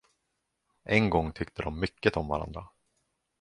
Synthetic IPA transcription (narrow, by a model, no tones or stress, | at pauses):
ʔɛŋɡɔŋːt̪ʰʏkt̪əd̪ɔmːʏkːət̪ɔmva̰ɾa̰nd̪ɾa